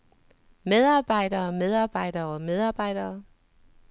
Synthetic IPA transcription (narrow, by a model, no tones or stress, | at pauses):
með̞ˠɑ̈ːb̥ɑ̈ɪ̰dɐːmeð̞ˠɑ̈ːb̥ɑ̈ɪ̰d̥ɐːɒmeð̞ˠɑ̈ːb̥ɑ̈ɪ̰d̥ɐː